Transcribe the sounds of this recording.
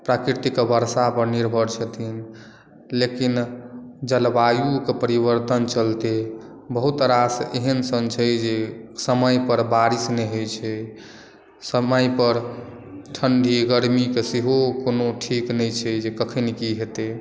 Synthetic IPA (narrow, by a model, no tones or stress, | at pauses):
pɾakɾit̪ikbəɾsapəɾniɾbʱəɾt͡ʃʰət̪ʰin | lekind͡ʒəlbajukepəɾibəɾt̪ənt͡ʃəlt̪e | bəɦut̪ɾaseɦənsənt͡ʃʰɛd͡ʒesəməjpəɾbaɾisneɦojt͡ʃʰɛ | səməjpəɾ | ʈʰənɖʱiɡəɾmikeseɦokonoʈʰiknəjt͡ʃʰɛd͡ʒekəkʰənekiɦet̪e